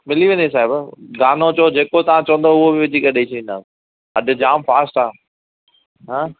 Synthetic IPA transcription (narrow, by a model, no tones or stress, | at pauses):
mɪliʋẽːnes̬aːɪbɡaːnot͡ɕod͡ʑeːkot̪ɐʋ̤ãt͡ɕɐʋə̃nd̪oʊɦobɪʋɪd͡ʑikɐɗeit͡ʃʰɐʋĩnd̪aːs | ɐɗd͡ʑaːmfaːsʈaː | ɦãː